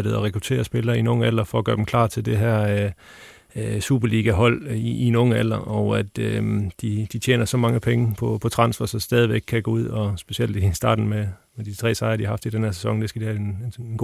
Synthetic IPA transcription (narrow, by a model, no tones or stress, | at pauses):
d̥ð̩ˠɒʁɛkʰʁut͡sʰe̝̰ːɐsb̥e̝lɐːinoŋ̩ælɐfɒɒ̽ɡ̥ɶɐd̥emkʰlɑ̰̈ːt͡sʰe̝ld̥e̝ɦæɐ̰ | sub̥ɐliːɡ̥æɦɒ̽l̰iːnoŋəæl̰ɐʔɒʊæd̥ømd̥id̥it͡ɕʰḛːnɐsɒ̽mɑ̈ŋəpʰeŋəpʰɒ̽pʰɒ̽t͡sʰʁɑ̈n̰sʋɐsɒ̽sd̥ɛːðˠiʋeɡ̥̚kʰːæɡ̥oːuð̰ˠɒ̽sb̥e̝ɕiel̰d̥isd̥ɑ̈ːd̥n̩memed̥it͡sʰʁɛ̰ːsɑ̈ɪɐd̥iɑ̈hɑ̈fd̥id̥enhæɐ̰se̥sɒ̽ŋd̥e̝sɡ̥æd̥ihænɡ